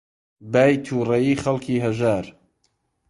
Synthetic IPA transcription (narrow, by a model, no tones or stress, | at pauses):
baːjt̪ʰuːrɐjiːxɐlkʰiːɦɐʒaːɾ